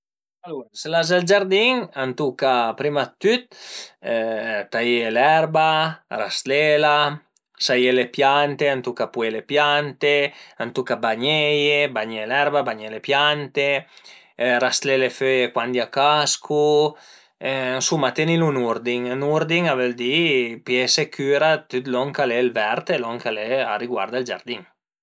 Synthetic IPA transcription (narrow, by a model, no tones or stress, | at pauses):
aluɾselazald͡ʒaɾd̪iŋant̪ukapɾimat̪ːyt̪̚ | t̪aielɛɾbarast̪lela | sajelepjant̪eant̪ukapuelepjant̪eant̪ukabaɲejebaɲelɛɾbabaɲelepjant̪e | rast̪leleføekwand̪jakaskʰu | nsumat̪enilunuɾd̪iŋanuɾd̪iŋaveld̪ipjesekʰyːɾat̪yt̪lɔŋkalelvɛɾt̪elɔŋkalea̰riɡwa̰ɾd̪ald͡ʒa̰ɾd̪iŋ